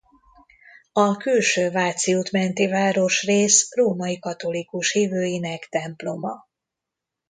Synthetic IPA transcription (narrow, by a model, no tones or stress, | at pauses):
ɒkylʃøːvaːt̪siut̪mɛnt̪ivaːɾo̞ʃreːsroːmɒikɒt̪o̞likuʃhiːvøːjinɛkt̪ɛmplo̞mɒ̰